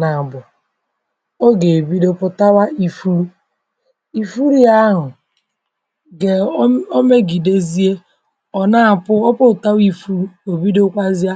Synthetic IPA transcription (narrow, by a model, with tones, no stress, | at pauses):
na˨bʊ˨ | o˦ɡe˨bi˦do˦pʊ˦ta˦wa˦i˦fu˦ɾu˦ | i˨fu˦ɾi˦a˦ɦʊ˨ | ɡe˨˦o˦me˦ɡi˨de˦zi˦e˦ | ɔ˨na˦˨pʊ˦ɔ˦pʊ˦˨ta˦wi˦fu˦ɾu˦o˨bi˦do˦kʷa˦zi˦a˦